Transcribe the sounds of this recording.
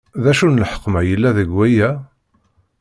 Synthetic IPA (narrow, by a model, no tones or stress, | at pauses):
ðæʃunəlħə̥qːmæjəlːæðəɡwæjæ